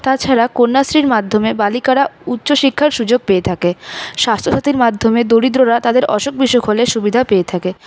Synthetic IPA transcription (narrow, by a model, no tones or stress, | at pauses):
t̪at͡ɕʰaɾakonːasɾiɾmad̪ʱomebalikaɽaut̪ːɕoʃikʰːaɾʃud͡ʑoɡ̚peet̪ʰakeʃast̪ʰɾoʃat̪iɾmad̪ʱomed̪oɽid̪ɾoɾat̪ad̪eɾʔɔʃok̚biʃokʰoleʃubid̪ʱapeet̪ʰake